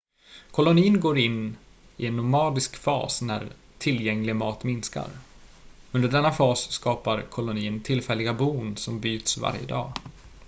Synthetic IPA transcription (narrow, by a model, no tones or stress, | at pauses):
kʰɔlʊniːnɡoːɾɪnː | ɪɛnːʊmɑːd̪ɪskfɑ̰ːsnæ̰ɾ | t̪ʰɪljɛŋlɪmɑːt̪mɪnska̰ɾ | ɵnd̪əɖɛnːafɑːsskɑːpaɾkʰɔlʊniːənt̪ʰɪlfɛlːɪɡabuːnsɔmbyːt̪sva̰ɾjə̰d̪ɑ̰ː